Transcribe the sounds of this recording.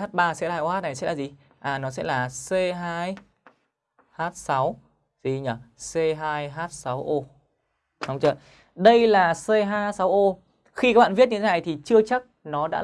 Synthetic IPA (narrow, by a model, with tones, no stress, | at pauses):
aː˦˥t̚ɓaː˧sɛ̰˧˥la̰ː˧˩jo˧˦ha˦˥na˨˩jsɛ̰˧˥laː˨˩i˨˩ | ʔaː˨˩nɔ˨˦sɛ̰˧˥laː˨˩se˧ɦaː˧j | haː˦˥t̚sa˨˦w | zi˧˩ɲə˧˩se˧ɦaː˧jɦaː˦˥t̚sa˨˦wʔo˧ | ɗə˨˦wŋ͡mt͡ɕə̰ː˧˨ | ɗə˧jlaː˨˩se˧ɦaː˧sa˨˦wʔo˧ | xi˧kaː˦k̚ɓa̰ː˧˨˩vt̚ɲɨ̰˧t̪ʰe˦na˨˩jt̪ʰi˨˩t͡ɕɨ˧ət͡ɕa˦˥k̚nɔ˨˦ɗa̰ː˧˥